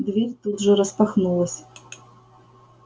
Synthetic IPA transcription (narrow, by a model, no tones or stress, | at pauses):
d̪vʲerʲt̪ud̪ʐɨɾɐspaxnulˠɐsʲ